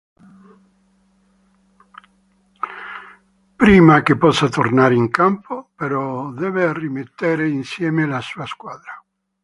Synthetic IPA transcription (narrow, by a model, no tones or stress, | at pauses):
pɾiːmakepɔsat̪ornaɾiŋkampʰopeɾɔd̪ɛvearːimet̪ːeɾeinsjɛːmelasuaskwad̪ɾa